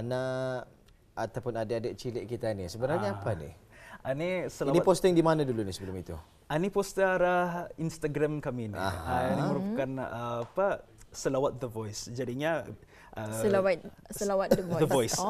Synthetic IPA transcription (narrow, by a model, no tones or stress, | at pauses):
na | t̪awpʊnadaːdaʔ̚t͡ʃileʔkit̪anisəbəɾaɲaapanḭanisəlaawnipost̪əŋdimanadulunisəbəlʊmit̪ṵ | anipost̪əaɾahinst̪aɡɾamkaminḭaaniməɾupakanəːpasəlawat̪̚d̪əvɔjsd͡ʒadiɲa | ʔəəlawat̚ | səlawat̪dəɔdəvɔjs